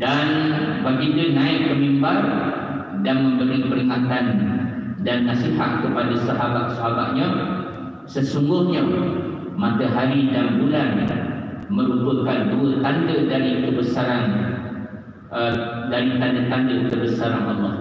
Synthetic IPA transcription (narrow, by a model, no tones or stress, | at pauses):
danbaɡindanãɪʔpəmimbar | danmə̃mbəɾɪŋpəɾiŋat̪an | danːasiɦat̪̚kəpadasaɦabat̪̚saɦabaʔ̪̚ɲã | səsuŋɡʊhɲa | mat̪əɦaɾidaŋbulan | mə̃ɾup̪əkanduət̪andədaɾikəbəsaɾan | ədaɾit̪andət̪andəkəbəsaɾanɔlːɔh